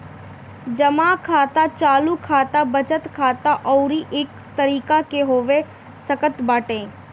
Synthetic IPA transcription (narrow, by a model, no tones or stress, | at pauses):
d͡ʒəmaːkʰaːt̪at͡ʃaːlukʰaːt̪abət͡ʃət̪kʰaːt̪aʔɔːɾiʔɪk | t̪əɾiːkakeɦoːʋe | səkət̪baːʈẽː